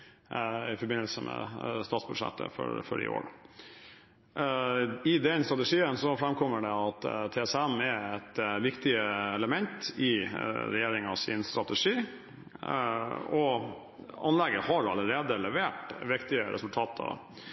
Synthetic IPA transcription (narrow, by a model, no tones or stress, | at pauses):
ɪfɔɾbɪnːəlsəmʔɛ̰st̪ɑːt̪sbʉd̪ʂɛ̰t̪ːə̰fɔ̰ɾfɔɖɪ̰o̰ːɾ | ɪd̪ɛnst̪ɾɑt̪əʂiːənsɔfɾɛmkʰɔmːəɖɛɑt̪t̪ʰɛɛsæmɛɾɛt̪ʋɪkt̪ɪəɛləmɛnt̪ɪɾɛjeːɾɪŋɑʋsɪ̰nst̪ɾɑt̪ɛʂiː | ɔ | ɑ̰nlɛɡəhɑɾɑlːəɾeːd̪əlɛʋeːʈʋɪkt̪ɪəɾʔɛ̰sʉlt̪ʰɑːt̪ʰə̰